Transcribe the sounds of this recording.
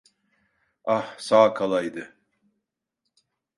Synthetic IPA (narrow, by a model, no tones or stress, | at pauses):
ahsaːkʰalˠajd̪ɯ